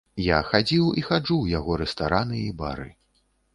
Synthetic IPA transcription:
jaxad͡zʲiwixad͡ʐuwjaɣɔɾɛst̪aɾanɨiba̰ɾɨ̰

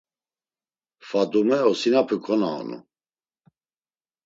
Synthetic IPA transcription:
fad̪umɛɔsinapʰukʼɔna̰ːnṵ

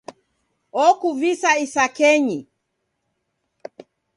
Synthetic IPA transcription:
ɔkuvisaisakɛɲi

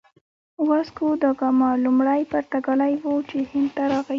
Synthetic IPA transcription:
wɑskud̪əɡamɑlumɽajpaɾt̪aɡalajwot͡ʃehɪnd̪̚t̪aɾɑɣa

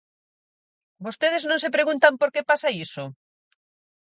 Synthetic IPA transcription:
bost̪eð̞eznõnsepɾeɣũnt̪ampoɾkepasaiso

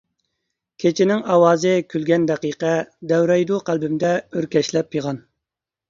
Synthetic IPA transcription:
kʲʰet͡ʃʰɪnɪŋɑwɑːzɨkʲylɡʲɛnd̪ɛqiqɛd̪ɛwɾɛjd̪uqʰælbɪmd̪ɛøɾkʲɛʃlɛpjeʁɑn

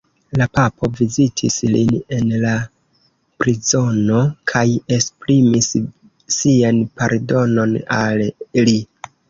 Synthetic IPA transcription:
lapapʰo̞vizitʰḭslḭne̞nla | pɾizo̞no̞kʰaje̞spɾimisː | ianpaɾdo̞no̞nalli

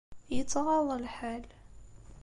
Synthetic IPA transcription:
jət̪ːʁɑðˤəlħal

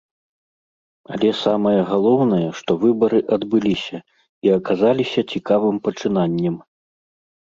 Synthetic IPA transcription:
ɐ̰lʲɛsamɐjɐɣalˠɔwnɐjɐʂt̪ɔvɨbɐɾɨʔɐd̪bɨlʲisʲɐ | iɐkazalʲisʲɐt͡sʲikavɨmpɐt͡ʂɨnanʲːɛm

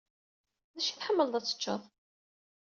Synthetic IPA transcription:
ðæʃiθħəmːəlðˤæt͡sːə̥t͡ʃːə̰ðˤ

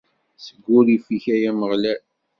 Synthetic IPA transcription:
səɡːʊɾifiçæjæməʁlæl

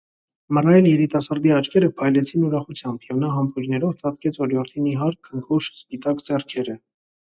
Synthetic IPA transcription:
mərɑjɛljɛɾit̪ɑsɑɾd̪iɑt͡ʃkʰɛɾəpʰɑjlɛt͡sʰinuɾɑχut͡sʰjɑmbjɛvn̪ɑɦɑmpuɾnɛɾɔvt͡sʰɑt̪kɛt͡sʰvɔɾjɔɾt̪ʰiniɦɑɾkʰːəŋkʰuʃspit̪ɑkd͡zɛrkʰɛɾə

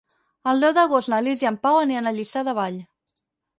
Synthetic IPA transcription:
əlˠd̪ɛwðəɣost̪nəliziəmpawəneənəʎist̪aðəβ̞aʎ

